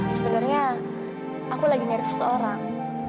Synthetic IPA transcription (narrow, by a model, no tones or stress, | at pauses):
səbənarɲa | ʔakulaɡiɲəɾɪssəoɾaŋ